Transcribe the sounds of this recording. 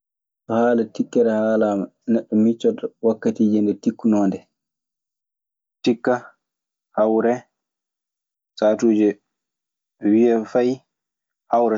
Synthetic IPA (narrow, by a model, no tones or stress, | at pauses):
sɔhaːlatikːɛɾɛhaːlaːmanɛɗːɔmit͡ʃːɔdɔwakːatiːd͡ʒindɛtikːunɔːndɛ | tikːa | hawɾɛ | saːtuːd͡ʒɛ | wiɛfaj | hawɾɛ